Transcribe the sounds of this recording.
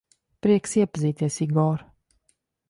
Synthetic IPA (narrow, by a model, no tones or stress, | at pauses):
pɾiɛksiɛpziːt̪isiɡɔːɾ